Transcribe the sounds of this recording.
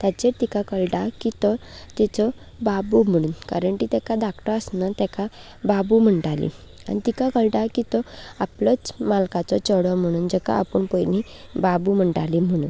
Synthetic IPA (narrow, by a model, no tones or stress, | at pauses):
t̪jat͡ɕeɾt̪ikakəlʈakit̪ɔt̪it͡sɔ | babum̤əɽ̃uːnka̰ɾəɳkit̪ɛkad̪akʈəəsnat̪jɛkʰa | babum̤əɳʈalḭ | a̰ɽ̃it̪ikakəlʈakit̪ɔaplət͡smalkat͡sɔt͡ɕəɽɔm̤əɽ̃uːnd͡ʑɛka̰apəɳpəjni | babum̤əɳʈalim̤əɽ̃uːn